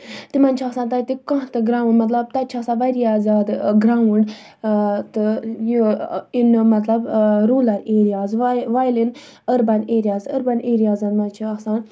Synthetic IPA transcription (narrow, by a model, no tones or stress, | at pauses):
t̪imɐnʲt͡ʃʰaksaːnt̪at̪ikɐ̃t̪ɨɡɾaːwunmɐt̪lɐb̚t̪ɐt͡ʃʰaksãːʋaɾijaːzaːd̪ɡɾaːwuɳɖ | t̪ɨjiinmɐt̪lɐbɾuːlaɾeːɾijaːzʋaːjlin | əɾbɐneːɾijaːzəɾbaneːɾijaːzɐnmɐnt͡ʃʰiɐksaːn